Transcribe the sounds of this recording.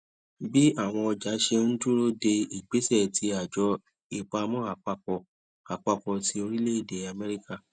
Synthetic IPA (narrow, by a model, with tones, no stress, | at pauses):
bi˦a˦˨w̃ɔ̃˧ɔ˧d͡ʒa˨˦ʃe˧n̩˦tu˦ɾo˦de˧i˨ɡ͡be˨˦sɛ˦˨ti˨˧˦a˨d͡ʒɔ˧˦ | i˧k͡pa˧mɔ̃˦a˨k͡pa˧kɔ˧ | a˨k͡pa˧kɔ˧ti˧˦o˧ɾi˦le˦i˦˨de˨a˧mɛ˦ɾi˦ka˦˨